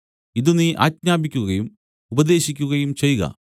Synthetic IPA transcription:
iðuniʔa̰ːtɲaːbikʲːuɣɐjum | ubɐd̪e̞ːɕikʲːuɣɐjumt͡ɕe̞jɣɐ̰

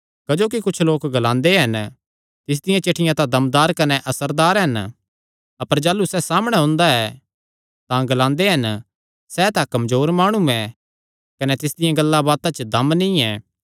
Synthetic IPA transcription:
kɐd͡ʒoːk̬ikʊt͡ʃʰloːkɡɐlãːnd̪eɦɐn | t̪ɪs̬d̪ɪjãt͡ʃeːʈʰɪjãt̪ãd̪ɐmd̪aːɾkɐnɛʔɐsəɾd̪aːɾɦɐn | ɐpəɾd͡ʒaːlːusɛsaːmɽ̃ɛɦʊ̃ːnd̪aɛ | t̪ãɡɐlãːnd̪eɦɐn | sɛt̪ãkɐmzoːɾmaːɽ̃uɛ̃ | kɐnɛt̪ɪsd̪ɪjãɡɐlːabaːt̪ãt͡ʃəd̪ɐmnĩɛː

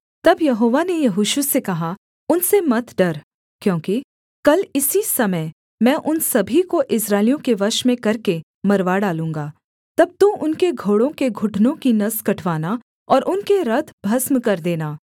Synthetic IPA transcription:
t̪ɐbjɐɦoːʋanejɐɦʊʃusekɐɦa | ʊnsemɐt̪ɖɐɾ | kjõːki | kɐlɪsisɐməj | mɛ̃ːʔʊnsɐbʱikoʔɪsɾaːɪlijõkeʋɐʃmẽkɐɾke | mɐɾʋaɖaːlũːŋɡaː | t̪ɐb̚t̪ũʔʊnkeɡʱoːɽõkeɡʱʊʈʰnõkinɐskɐʈʰʋaːna | ɔːɾʔʊnkeɾɐt̪ʰbʱɐsmkɐɾd̪eːnaː

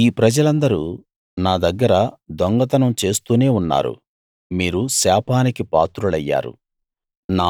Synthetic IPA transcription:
iːpɾɐd͡ʒɐlɐnd̪ɐɾuː | naːd̪ɐɡːɐɾɐd̪ɔŋɡɐt̪ɐnɐmt͡ʃe̞ːst̪uːne̞ːunːa̰ːɾṵ | miːɾusaːpʰaːnikipa̰ːt̪ɾulɐjːa̰ːɾṵ | naː

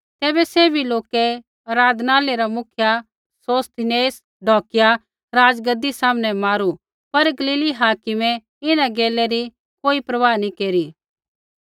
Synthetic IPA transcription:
t̪ɛːbɛseːbʱiloːkɛ | ɐɾaːd̪naːleɾamʊkʰja | soːst̪ɪneːs | ɖʱɔːkɪja | ɾaːd͡ʒɡɐd̪isaːmnɛmaːɾu | pɐɾɡɐliːliɦaːkɪmɛ | ɪnaɡeːlɛɾi | koːipɾɐʋaːnĩkeːɾi

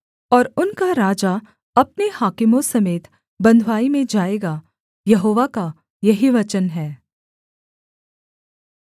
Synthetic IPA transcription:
ɔːɾʊnkaɾaːd͡ʒa | ɐp̚nehaːkɪmõsɐmeːt̪ | bɐ̃nd̪ʱwaːimẽd͡ʒaːeːɡa | jɐɦoːʋaka | jɐɦiʋɐt͡ʃənɦɛː

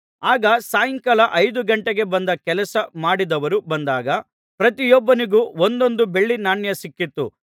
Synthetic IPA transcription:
aːɡɐsaːjiŋkɐlɐʔɐjd̪uɡɐɳʈeɡe̞bɐnd̪ɐkɛlɐsɐmaːɽid̪ɐʋɐɾubɐnd̪aːɡɐ | pɾɐt̪ijɔbːɐniɡuːond̪o̞nd̪ube̞ɭːinaːɳjɐsikːit̪ːṵ

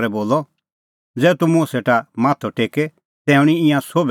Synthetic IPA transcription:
ɾɛboːlɔ | d͡zɛːt̪umũseːʈamaːt̪ʰɔʈeːkɛ | t̪ɛ̃ːʊ̃ɽ̃iɪ̃jãsoːb

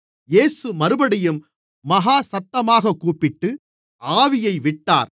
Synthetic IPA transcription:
jeːsɯmɐɾɯbɐɽɪjɯmː | ɐɣaːsɐt̪ːɐmaːɣɐkːuːpːɪʈːɯ | aːʋɪjɐɪʋɪʈːa̰ːɾ

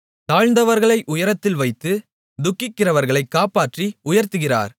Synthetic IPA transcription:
t̪aːɻnd̪ɐʋɐɾɣɐɭɐɪʔʊjɐɾɐt̪ːɪlʋɐɪt̪ːɯ | d̪ʊkːɪkːɪrɐʋɐɾɣɐɭɐɪkːaːpaːʈriʊjɐɾt̪ɯɣɪra̰ːɾ

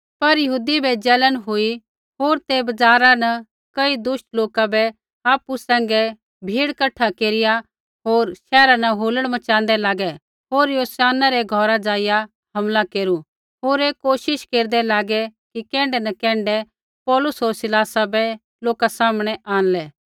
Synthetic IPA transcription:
pɐɾjɐɦuːd̪ibʱɛd͡zɛːlənɦʊi | ɦoːɾt̪ebɐd͡zaːɾanɐ | kɐid̪ʊsʈloːkabɛ | aːpusɛ̃ːŋɡɛ | bʱiːɽkɐʈʰːakeːɾɪja | ɦoːɾʃɛːɾanɐɦoːləɽ̃mɐt͡ʃãːnd̪ɛlaːɡɛ | ɦoːɾjoːsaːnaɾɛɡʱɔːɾad͡ʒaːɪja | hɐmlakeːɾu | ɦoːɾeːkoːʃɪʃkeːɾd̪ɛlaːɡɛkikɛ̃ːɳɖɛnɐkɛ̃ːɳɖɛ | pɔːlʊsɦoːɾsɪlaːsabɛ | loːkasaːmɽ̃ɛʔaːnlɛː

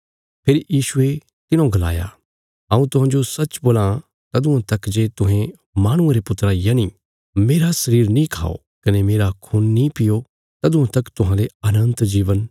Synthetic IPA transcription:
pʰɪɾjiːʃʊe | t̪ɪnõɡɐla̰ːja̰ | ãːũt̪ʊɦãːd͡ʒosɐt͡ʃboːlã | t̪ɐd̪ʊ̃ãt̪ɐkd͡ʒeːt̪ʊɦẽ | maːɽ̃ʊ̃ãɾepʊt̪ːɾajɐnĩ | meːɾasɐɾiːɾnĩkʰa̰ːo̰ | kɐnemeːɾakʰuːnːĩpɪjo | t̪ɐd̪ʊ̃ãt̪ɐkt̪ʊɦãleɐnə̃nt̪d͡ʒiːʋən

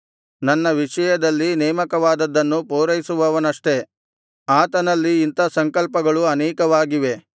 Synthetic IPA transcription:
nɐnːɐʋiʂɐjɐd̪ɐlːinɛːmɐkɐʋaːd̪ɐd̪ːɐnːupoːɾɐjisuʋɐʋɐnɐʂʈe̞ | aːt̪ɐnɐlːiːnt̪ɐsɐŋkɐlpɐɡɐɭuɐnɛːkɐʋaːɡiʋe

